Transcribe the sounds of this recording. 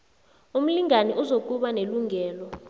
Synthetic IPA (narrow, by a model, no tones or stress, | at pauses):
um̩liŋanɛʔuzok̬ʼuɓaneluŋʱɛːlɔ